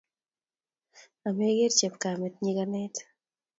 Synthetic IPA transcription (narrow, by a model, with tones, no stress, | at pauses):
a˨me˦ɡe˦ɾt͡ʃe˨pka˨mɛ˨t̪ɲiɡanɛt̪